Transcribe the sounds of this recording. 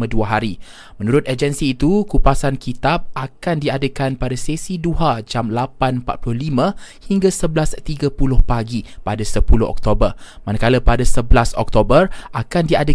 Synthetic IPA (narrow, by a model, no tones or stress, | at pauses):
əduaɦaɾi | mə̃nũɾʊt̪əd͡ʒənsiːt̪ukupasankit̪ap̚akandiadəkanpadasesiduad͡ʒamlapanmpat̪̚plʊhlimãhiŋɡasəblast̪iɡapulʊhpaɡipadasəpulʊ̰hɔ̰k̚t̪obərmanakaləpadasəblasɔk̚t̪obərʔakandiadə